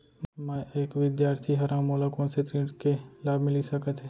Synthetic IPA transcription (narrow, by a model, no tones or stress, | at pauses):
mãʔeːkʋɪd̪jaːɾt̪ʰiɦɐɾãːmoːlakõːnset̪ɾeːʈkelaːbmɪlisəkət̪ʰɦɛː